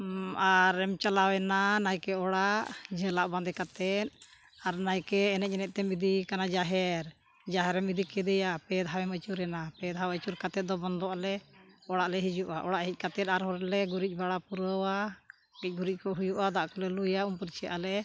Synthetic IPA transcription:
aɾɛmt͡ʃalawɛnanajkɛɔɽaʔd͡ʒɛ̃laʔband̪ɛkat̪ɛt̪̚ | aɾnajkɛːnɛˀɛnɛt̪̚t̪ɛmid̪ikanad͡ʒaɦɛɾ | d͡ʒaɦɛɾɛmid̪ikɛd̪ɛjapɛd̪ʱɦawɛmət͡ʃuɾɛnapɛd̪ɦawət͡ʃuɾkat̪ɛt̪̚d̪ɔbɔnd̪ɔalɛɔɽaʔlɛɦid͡ʒuʔaʔɔɽaʔɦic̪̚ˀkat̪ɛt̪̚aɾɦɔɾlɛɡuɾic̚ˀbaɽapuɾəwa | ɡic̚ɡuɾic̚kɔɦujuʔad̪aʔkɔlɛlujaʔumpuɾt͡ʃʰɛʔalɛ

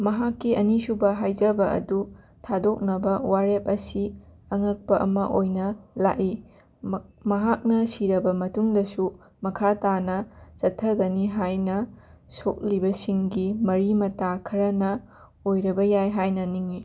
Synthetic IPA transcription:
mɐɦakːiɐnisubɐɦajd͡ʒɐbɐʔɐ̰du | tʰadok̚nɐbɐwaɾep̚ɐsiɐŋɐk̚pɐʔɐ̰mɐ̰ʔojnɐla̰ʔi | mɐɦak̚nɐsiɾɐbɐmɐtuŋdɐsu | mɐkʰatanɐt͡ʃɐtʰːɐɡɐniɦajnɐsok̚libɐsiŋɡimɐɾimɐtakʰɐɾɐnɐ | ojɾɐbɐjajɦajnɐniŋi

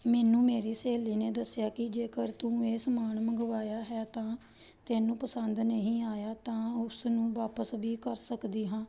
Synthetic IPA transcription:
mɛːnũːmeːɾiːseːliːneːd̪əsɪjaːkɪd͡ʒeːkəɾt̪ũːeːsmaːɳməɡəʋaːjaːɦɛːt̪ãː | t̪ɛːnũːpəsənd̪nəɦĩːaːjaːt̪ãːʊsnũːʋaːpəsbiːkəɾsəkd̪iːɦãː

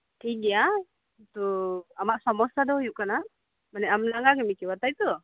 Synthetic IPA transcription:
t̪iɡia | t̪uamaʔsamɔsadɔjuʔkana | manɛʔamnaŋaɡimikiwat̪ajt̪u

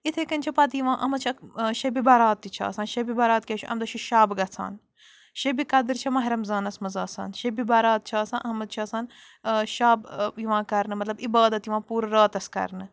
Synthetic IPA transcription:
it̪ʰekɐnʲt͡ʃʰɐpɐd̪ijiʋãːʔɐmɐt͡ʃʰɐʃɐbibɐɾaːt̪ːit͡ʃʰɐ̰ːsãːnʃɐbibɐɾaːt̪̚kʲeːʃʰuʔɐ̰md̪ɐʃʰuʃaːbɡɐt͡sʰa̰ːn | ʃebikɐd̪ɨɾt͡ʃʰɐmɐɦɐɾɐmzaːnɐsmɐzaːsa̰ːnʃebibɐːɾaːt̪̚t͡ʃʰaːsãːnʔɐmɐd̪̚t͡ʃʰɐːsaːn | ʃaːbjiʋãːkɐɾnɨmɐt̪lɐbibaːd̪ɐt̪jiʋãːpuːɾɾaːt̪ɐskɐ̰ɾnɨ

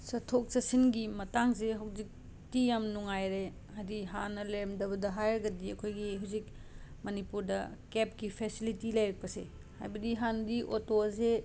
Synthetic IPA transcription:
sɐtʰok̚sɐsinɡimɐtaŋzeɦɐwzik̚ | tijamnuŋajɾe | adiɦanɐleɾɐmdɐbɐdɐɦajɾɐɡɐdiɐkʰojɡiɦɐwzik̚ | mɐnipuɾdɐkep̚kipʰesilitilɐjɾɐk̚pɐsḛ | ha̰jbɐdiɦanɐdiʔotoze

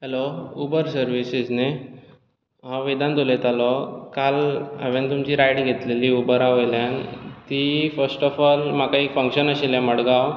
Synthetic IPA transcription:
ɦeloubəɾsəɾʋisid͡zne | ɦɔ̃ʋid̪ãnt̪olet̪alɔkalə̰ʋent̪umt͡ɕiːɾajɽɡʱet̪leliːubəɾaʋeljãnt̪ifəɾsʈɔfɔlmakaikfəŋkɕənəɕilãməɽɡaw

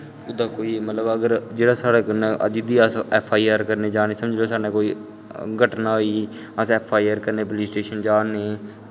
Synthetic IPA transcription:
ʊd̪aːkoːiːmət̪ləbəɡəɾd͡ʒeːɽaːsaːɽaːkənːʔə̰d͡ʒid̪iːasɛːpʰaːiːəɾkəɾneːd͡ʒaːneːsəməd͡ʒloːsaːnẽːkoːiː | ɡʱəʈnaːiː | əsɛːpʰaːiːəɾkəɾneːpəliːsʈeːʃənd͡ʒaːnːeː

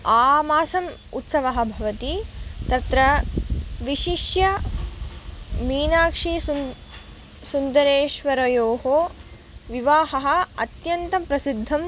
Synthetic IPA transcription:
aːmaːsɐm | ṵt̪sɐʋɐɦɐ̆bʱɐʋɐt̪it̪ɐt̪ɾɐ | ʋiʃiʃjɐ | miːnaːkʂi | sund̪ɐɾeːʃʋɐɾɐjoːɦoː | ʋiʋaːɦɐɦɐ̆ɐ̰t̪jɐnt̪ɐmpɾɐsid̪ʱːɐm

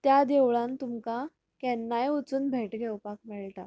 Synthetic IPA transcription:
t̪jad̪ewɭãnt̪umka | kɛnːajut͡suːnbʱeʈɡʱewpak̚miɭʈ̪a̰

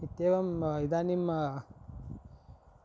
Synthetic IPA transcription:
it̪ːeʋɐmid̪anim

